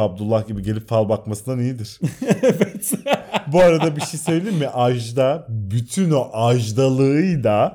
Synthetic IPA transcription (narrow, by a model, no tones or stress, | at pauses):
ab̚d̪ulˠːahɟibiɟe̞lʲipfalˠbakmasɯnd̪anijid̪iɾ̥evet̪buaɾad̪abiʃejsø̞jlʲeiɾmiʔaʒd̪abyt̪ʰynoʔaʒd̪alˠɯɯjd̪a